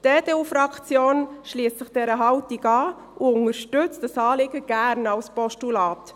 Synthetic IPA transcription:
d̥eːdeːufɾɑkt͡sjoːnʃliːəstsəχd̥ɛɾəɦɑwtiɡɑː | ʔuʊŋəɾʃtʏt͡stɑsɑːlɪɡəɡ̥æɾnɑwspɔʃtulɑːt

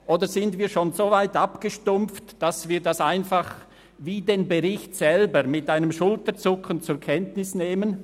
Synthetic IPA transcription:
ʔoːdəzɪndviːʃoːnzoːvaɪtapɡ̥əʃtʊmp͡ftd̥asv̥iːdasaɪnfaχ | viːdeːnbəʁɪçtsɛlbəɾmɪtʔaɪnəmʃʊltəɾt͡sʊkənt͡sʊɾkʰɛntnɪsneːmən

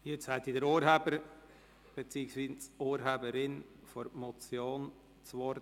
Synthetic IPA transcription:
jet͡shæt̪idəɾoːɾɦæbəɾ | b̥et͡siːəksviːsoːɾɦæbəɾɪn | fɔɾmɔt͡sjoːn | t͡sʋoɾ

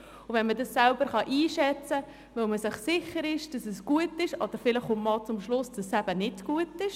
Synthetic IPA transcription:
ʊʋɛnmədɑsːɛlb̥əɾχɑʔiːʃɛt͡sə | ʋɪlməsɪχsɪχəɾɪʃd̥ɑsɛsɡ̥uətɪʃɔd̥̪əɾfɪləχʊmmɑlˠt͡sʊmʃlʊsd̥ɑsæb̥ənɪdɡ̥uətɪʃ

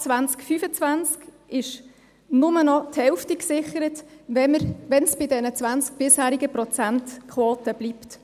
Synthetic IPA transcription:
t͡svant͡skfyfət͡svænt͡sk | ɪʃ | nʊmənɔthɛʊftiksɪχəɾətʋɛməɾʋɛnsb̥ɪdɛnət͡sʋænt͡sk̚b̥ɪshæːɾiɡəprɔt͡sæntkʰχwoːtəb̥liːpt

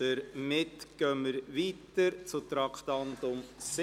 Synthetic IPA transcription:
əɾmɪtɡ̥œmːəɾʋiːt̪əɾt͡sʊt̪ɾɑkχt̪ɑnt̪ʊms

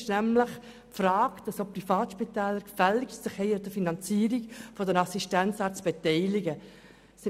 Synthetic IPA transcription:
ʃnæmləχ | pfɾaːkd̥ɑsopːɾifɑːtʃpitɛːləɾkfɛlɪktsəχhɛɪəd̥əfinɑnt͡siːəɾikfɔdənɑsiʃtænt͡sɑːt͡sb̥etɛɪlɪɡə | sɪ

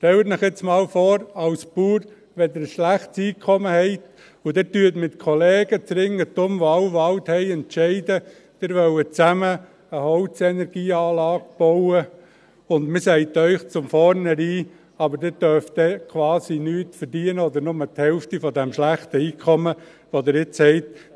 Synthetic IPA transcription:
ʃtɛlətnɪχɪt͡smɑːlfɔːɾɑwsb̥uːɾ | ʋɛd̪ɪɾəsʃlæχtsiːkʰɔməhɛɪt̪ | ʊdɪtyːətmɪt̪kʰɔleːɡ̥ət͡sɾɪŋːət̪ʊmʋoɑwʋɑwthɛɪɛntʃɛɪdə | d̥ɪɾʋœwət͡sæmə | əhɔʊt͡sɛnɛɾɡ̥iːɑːlɑːɡ̚b̥ɔʊə | ʊnd̪mɪsɛɪt̪œʏχt͡sʊmfɔɾnəɾiː | ɑbəɾdɛdœɾfd̪̥ɛkʰʋɑːsinyːtfəɾdiənəɔd̪əɾnʊməthɛlftifɔdɛmʃlæχt̪əiːkʰɔmə | ʋod̪ɪɾɪt͡shɛɪt̪

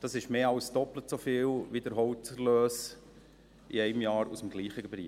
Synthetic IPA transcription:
d̥ɑsɪʃmeːɑʊsd̥ɔplətsofiːlʋidəɾɦɔʊtəløːs | iɛɪmjɑːɾusəmɡliːχəɡbɾḭː

